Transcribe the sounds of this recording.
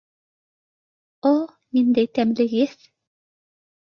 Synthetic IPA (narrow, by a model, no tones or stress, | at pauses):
o | nind̪æjt̪æmlɘ̆ɣɘθ